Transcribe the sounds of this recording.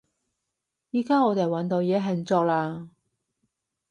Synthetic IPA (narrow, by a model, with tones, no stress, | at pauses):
jiː˨˩kaː˥ŋɔː˨˧t̪e˨jwɐ˨˥nt̪o˨˧wjɛː˨˥ɦɐ˨˩nt͡sɔː˧k̚laː˧